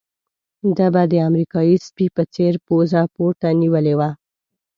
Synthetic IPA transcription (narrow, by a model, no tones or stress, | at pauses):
d̪abad̪əamɾikɑjispipət͡seɾpozapoɾt̪aniwəlewa